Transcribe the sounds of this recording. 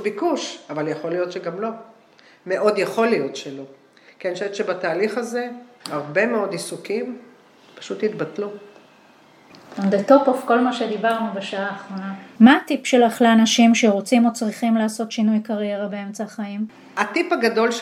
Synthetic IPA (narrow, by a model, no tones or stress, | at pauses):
bikuʃavaljaχo̞lijo̞t̪ʃeɡamlo̞ | meʔo̞d̪jeχo̞lijo̞t̪ʃelo | kenʃetʃebat̪aːliχaze̞haʁbe̞meo̞d̪isukim | pḁʃut̪jit̪batlu | ond̪etopofko̞lmaʃed̪ibaʁnubeʃaaːχʁo̞namaːtipʃe̞laχleanaʃimʃe̞ʁot͡simo̞t͡sʁiχimlaːso̞tʃinujkaʁje̞ʁabee̞mt͡saχaim | at̪ipaɡad̪o̞lʃ